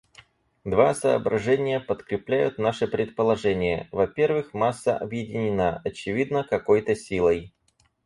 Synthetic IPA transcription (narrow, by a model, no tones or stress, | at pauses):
d̪vasəːbɾɐʐɛnʲɪjəpət̪kɾʲɪplʲæjʊt̪naʂɨpɾʲɪt̪̚pəlˠɐʐɛnʲɪjə̰vɐpʲe̞rvɨxmasːə̰ʔɐbjɪdʲɪnʲɪnaɐt͡ɕɪvʲid̪nəkɐko̞jt̪əsʲilˠəj